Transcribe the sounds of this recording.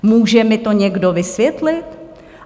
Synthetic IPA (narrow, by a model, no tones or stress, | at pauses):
muːʒɛmɪt̪o̞ɲɛɡdo̞vɪsvjɛt̪lɪt̪